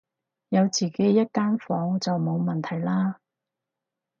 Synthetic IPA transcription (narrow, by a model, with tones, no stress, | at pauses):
jɐ˨˧wt͡siː˨ke˨˥jːɐ˥t̚kaː˥nfɔː˨˥ŋt͡sɐ˨wmo˨˧wmɐ˨nt̪ʰɐ˨˩jlaː˥